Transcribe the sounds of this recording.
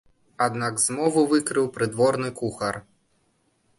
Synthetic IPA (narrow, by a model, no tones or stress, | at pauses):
ad̪naɡzmɔvuvɨkɾɨwpɾɨd̪vɔrnɨkuxɐr